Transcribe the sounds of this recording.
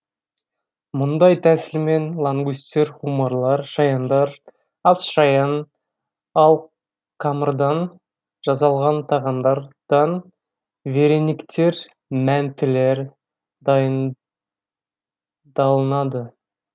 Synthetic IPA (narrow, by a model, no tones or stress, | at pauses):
mʊnd̪ɑjt̪ʰæsɪlme̞nlˠaŋɡist̪e̞ɾʁumɑɾlˠɑɾʃɑjɑnd̪ɑɾ | ɑsʃɑjɑn | ɑlˠ | qʰɑməɾd̪ɑn | ʒ̥ɑs̬ɑlˠʁɑnt̪ʰɑʁɑnd̪ɑɾd̪̥ɑn | ve̞ɾe̞nikt̪ʰe̞ɾ | mænt̪ʰɪle̞ɾ | d̪ɑjən | d̪ɑlˠənɑd̪ə